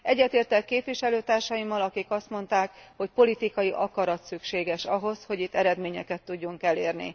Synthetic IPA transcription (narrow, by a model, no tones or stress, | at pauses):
ɛɟːɛt̪eːrt̪ɛkːeːpʋiʃɛløːt̪aːrʃɒjimːɒlɒkikɒst̪mo̞nt̪aːkho̞cpo̞lit̪ikɒjiʔɒkɒɾɒt̪sykʃeːɡɛʃɒɦo̞sho̞ɟit̪ːɛɾɛd̪meːɲɛkɛt̪ːuɟːuŋkɛleːrnḭ